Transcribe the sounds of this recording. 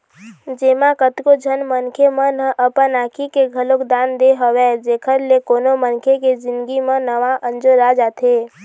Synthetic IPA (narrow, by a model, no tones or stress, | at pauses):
d͡ʒeːmãkət̪kod͡ʒʱənmənkʰemə̃nəʔəpənaːkʰikeɡʱəlokd̪aːnd̪eɦəʋɛd͡ʒeːkʰəɾlekoːnomənkʰeked͡ʒɪ̃nd̪ɡimə̃nəʋaʔə̃nd͡ʒoɾad͡ʒaːt̪ʰeː